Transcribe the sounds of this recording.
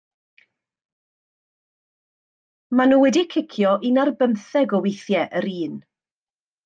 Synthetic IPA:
manuːwɛdikʰɪkʰjɔʔinarbəmθɛɡɔwejθjɛʔəɾiːn

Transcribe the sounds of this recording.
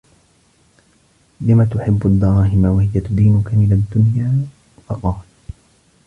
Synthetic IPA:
lɪmat̪ʊħɪbːʔad̪ːɑɾˤɑːɦɪmawahɪjat̪ʊd̪iːnʊkamɪlad̪ːʊnjaː | fɑqɑːl

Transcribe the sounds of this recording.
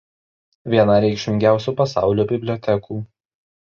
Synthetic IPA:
ʋʲiɛnɐɾʲɛɪkʃʲmʲɪŋʲɡʲæˑʊsʲuːpɐsɑˑʊlʲoːbʲɪbʲlʲɔt̪ʲɛkuː

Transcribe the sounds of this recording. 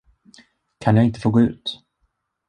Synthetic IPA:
kʰanjaːɪnt̪əfoːɡoːʉ̟̰ːt̪

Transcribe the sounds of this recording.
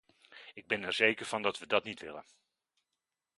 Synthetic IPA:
ɪɡ̚bɛnɛɹzejkəɹv̥ɑndɑtʋədɑtnitʋɪ̰lə̰n

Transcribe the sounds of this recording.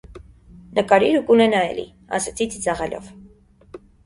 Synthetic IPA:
nʔəkɑɾiɾukulɛnɑɛ̰lḭ | ɑ̰sɛt͡sʰit͡sʰit͡sɑʁɛlɔ̰v

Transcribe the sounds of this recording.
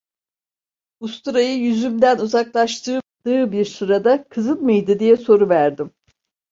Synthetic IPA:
ust̪uɾajɯjyzymd̪ænuzaklˠaʃt̪ʰɯːd̪̥ɯːbiɾsuɾad̪akʰɯzɯnmɯjd̪ɯd̪ijɛso̞ɾuvæɾd̪im

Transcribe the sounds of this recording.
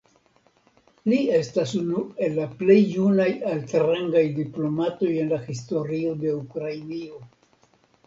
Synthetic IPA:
lie̞stasunue̞lːaple̞jːunajalteɾeŋɡajdiplo̞mato̞je̞nlahisto̞ɾio̞de̞ukɾainio̞

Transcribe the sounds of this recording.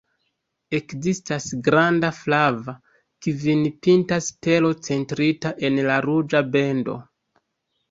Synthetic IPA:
e̞kzistasɡɾandaflava | kivinipintaste̞lot͡se̞ntɾitaʔe̞nlaɾud͡ʒabe̞ndo̞̰

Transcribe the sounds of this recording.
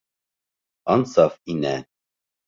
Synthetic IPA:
ɑnsɑfinɛ

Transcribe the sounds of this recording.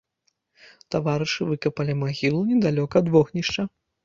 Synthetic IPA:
t̪avaɾɨʂɨvɨkɐpɐlʲimaɣʲilˠunʲɛd̪alʲɔkɐd̪vɔɣnʲiʂt͡ʂɐ

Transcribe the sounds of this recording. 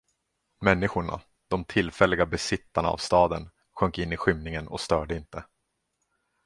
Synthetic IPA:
mɛnːɪɧʊɳa̰ | d̪̥ɔmt̪ʰɪlfɛlːɪɡabɛsɪt̪ːaɳa̰a̰vst̪ɑːd̪ən | ɧœŋkɪnːɪɧʏmnɪŋənɔ̰st̪œːɖəɪnt̪ə

